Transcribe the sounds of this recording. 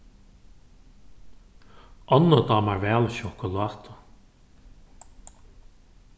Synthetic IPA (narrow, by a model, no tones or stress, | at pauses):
ɔnəd̪ɑːmaɹvɛːlʃɔkʊlɑːt̪ʰʊ